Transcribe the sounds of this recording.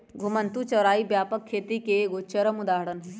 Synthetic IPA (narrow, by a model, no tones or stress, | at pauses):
ɡʱʊmənt̪ut͡ʃɐʋɾaːibjaːpəkʰːeːt̪ikeɡot͡ʃɐɾəmʊd̪aːɦɽən